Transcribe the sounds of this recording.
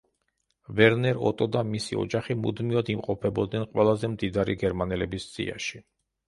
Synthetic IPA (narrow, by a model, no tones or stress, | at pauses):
vɛɾnɛɾɔ̰t̪ʼɔd̪amisiɔ̰d͡ʒaχimṵd̪miɔd̪imqʼɔpʰɛbɔd̪nɛnqʼwɛlˠazɛmd̪id̪aɾḭɡɛɾmanɛlɛbisz̥ḭa̰ʃi